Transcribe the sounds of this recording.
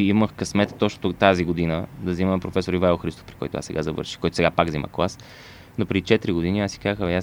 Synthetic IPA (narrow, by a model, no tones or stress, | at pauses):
iməxkɐsmɛt̪ə̥t̪ɔt͡ʃnot̪ot̪aziɡod̪inəd̪ɐziməmɛpɾofɛsoɾivaɛlˠxɾist̪o̥fpɾi̥kɔ̰jt̪ʊ̰a̰ssɛ̰ɡa̰zɐvɤ̰ɾʃi̥xkɔjt̪osɛɡapaɡzimə̰klˠas | nopɾɛd̪it͡ʃɛt̪ɾiɡod̪iniasi̥kaxəa